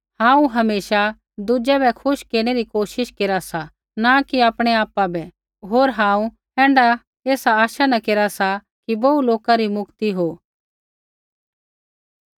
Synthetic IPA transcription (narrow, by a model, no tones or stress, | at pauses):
hãːũɦɐmeːʃa | d̪ud͡ʒɛbɛkʰʊʃkeːɾɽ̃eɾikoːʃɪʃkeːɾasa | nakiaːpɽ̃eaːpabɛ | ɦoːɾɦãːũ | ɦɛ̃ːɳɖa | eːsaaːʃanakeːɾasa | kibouloːkaɾimʊkt̪iɦoː